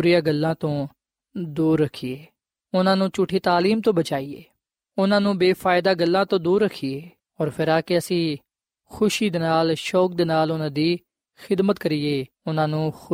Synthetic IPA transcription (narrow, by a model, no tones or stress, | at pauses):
ɾɪjãːɡəlːãːt̪õː | d̪uːɾːəkʰːieː | ʊnãːnũːt͡ʃʊʈʰiːt̪aːliːmt̪õːbət͡ʃaːiːeː | ʊnãːnũːbeːfʰaːɪd̪aːɡəlːãːt̪õːd̪uːɾːəkʰːieː | ɔːɾpʰɪɾaːkeəsĩː | xʊʃiːd̪enaːlʃɔːk̚d̪eːnaːlʊnãːd̪iː | xɪd̪mət̪kəɾieː | ʊnãːnũːx